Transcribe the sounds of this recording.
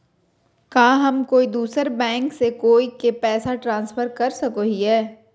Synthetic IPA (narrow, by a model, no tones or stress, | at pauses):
kaːɦɐmkoːid̪uːsəɾbɛ̃ːŋksekoːikepɛːsaʈɾãːnsfəɾkɐɾsɐkoɦiɦɛː